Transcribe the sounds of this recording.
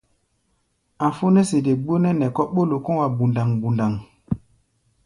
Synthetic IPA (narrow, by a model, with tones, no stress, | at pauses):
a˨fo˦nɛ˦se˨de˨ɡ͡bo˦nɛ˦nɛ˨kɔ˦ɓo˦lo˨kɔ̃˦wa˨bu˨nda˨ŋbu˨nda˨ŋ